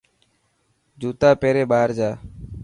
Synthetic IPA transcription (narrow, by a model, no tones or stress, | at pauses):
d͡ʒuːt̪aːpeːɾeːɓaːɾd͡ʒaː